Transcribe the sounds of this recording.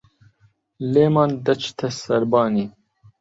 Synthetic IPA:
leːmɑːnd̪ɐt͡ʃʰt̪ʰɐsɐɾbɑːniː

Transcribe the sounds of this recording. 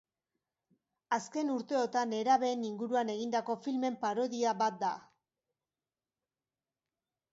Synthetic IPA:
aske̞nuɾt̪e̞o̞t̪ane̞ɾaβe̞ːniŋɡuɾuane̞ɣ̞ind̪ako̞filme̞mpaɾo̞ðiabat̪̚d̪a

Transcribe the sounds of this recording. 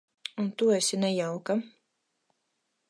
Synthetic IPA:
unt̪uɛsʲinɛjawka

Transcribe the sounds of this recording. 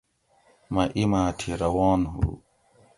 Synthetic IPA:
mɐʔimaːt̪ʰiɾɐwaːnɦṵ

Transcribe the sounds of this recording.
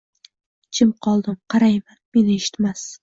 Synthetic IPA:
t͡ʃʰɪmqʰɒlˠd̪ɪmqʰɑɾajmanme̞nɪeʃɪ̥t̪mas

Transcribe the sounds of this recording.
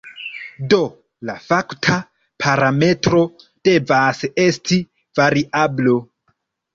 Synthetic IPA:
do̞ | lafaktʰa | pʰaɾame̞tɾo̞ | d̥e̞vase̞sti | vaɾiʔablo

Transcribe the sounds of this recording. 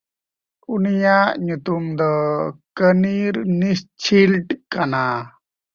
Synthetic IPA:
unijaʔɲut̪umd̪ɔkəniɾnist͡ʃʰilʈkana

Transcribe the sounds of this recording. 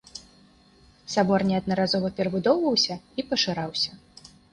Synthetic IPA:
sabɔrnʲɛɐd̪̚nɐɾazɔvɐpʲɛɾɐbud̪ɔwvɐwsʲɐipɐʂɨɾawsʲɐ

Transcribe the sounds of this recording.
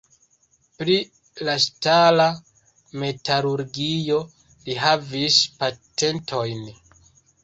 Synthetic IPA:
pɾi | lastala | me̞taɾuɾɡijo̞ | liɦavispate̞ntʰo̞jn

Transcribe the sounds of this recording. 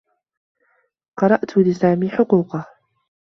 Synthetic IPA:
qɑɾˤɑʔt̪ʊlɪsaːmiːħʊquːqɑ

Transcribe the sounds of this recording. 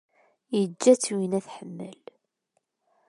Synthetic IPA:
jəd͡ʒːæt͡sːwinæθħəmːə̰l

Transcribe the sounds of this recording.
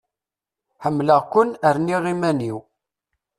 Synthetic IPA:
ħəmːləʁkʷʊnəɾniʁimæniw

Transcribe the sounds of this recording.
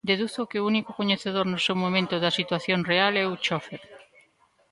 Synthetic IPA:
d̪eðuθokɪʊunikʊkoɲeθeðoɾnʊsewmomẽnt̪ʊðɐsit̪waθjonrealɛut͡ʃofeɾ

